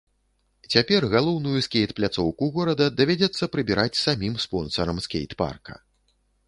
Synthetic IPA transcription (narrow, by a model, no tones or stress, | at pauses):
t͡sʲapʲɛrɣalˠɔwnujuskʲejt̪plʲat̪sɔwkuɣɔɾɐd̪ɐd̪avʲad͡zʲɛt̪sːɐpɾɨbʲiɾat͡sʲsamʲimspɔnsɐɾɐmskʲḛjt̪pa̰rkɐ̰